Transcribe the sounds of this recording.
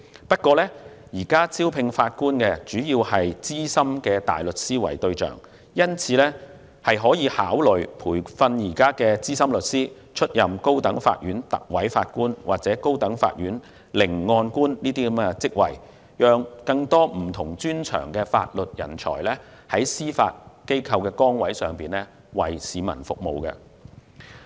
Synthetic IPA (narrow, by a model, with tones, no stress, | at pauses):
pɐ˥t̚kɔː˧lɛː˥ | jiː˨˩kaː˥t͡sʰiː˥wpʰɪ˧ŋfaː˧t̚kuː˥nkɛ˧t͡syː˨˥ji˧whɐ˨jt͡siː˥sɐ˥mkɛː˧t̪a̰ː˨jlɵ˨t̚siː˥wɐ̰˨˩jt̪ɵ˧ɥt͡ʃœ̰ː˨˩ŋ | jɐ˥nt͡sʰiː˨˧lɛː˥ | hɐ˨jɦɔː˨˥jiː˨˧haː˨˥wlɵ˨ɥpʰuː˨˩jfɐ˧njiː˨˩kaː˥kɛː˧t͡siː˥sɐ˥mlɵ˨t̚siː˥ | t͡ʃʰɵ˥t̚jɐ˨mko˥wt̪ɐ˨˥ŋfa̰ː˧t̚jyː˨˥nt̪ɐ̰˨k̚wɐ˨˥jfa̰ː˧t̚kuː˥nwaː˨˩k̚t͡sɛː˨˥ko˥wt̪ɐ˨˥ŋfa̰ː˧t̚jyː˨˥n | lɪ˨˩ŋːɔː˧nkuː˥nniː˥t̪̬iː˥kɐ˨˦mɡɛ˧t͡sɪ˥k̚wɐ̰˨˩j | jœː˨˧ŋkɐ˧ŋt̪ɔː˥m̩˨˩t̪ʰʊ˨˩ŋt͡ʃyː˥nt͡ʃʰœ̰ː˨˩ŋkɛː˧fa̰ː˧t̚lɵ˨t̚jɐ̰˨˩nt͡ʃʰɔ̰ː˨˩jlɛː˥ | hɐ˨˥jsiː˥fa̰ː˧t̚ke˥jkʰɐ˧wkɛː˧kɔː˥ŋwɐ˨˥jsœː˨˩ŋpiː˨nlɛ˥ | wɐ˨˩jsiː˨˧mɐ̰˨˩nfʊ̰˨k̚mo˨wkɛ̰˧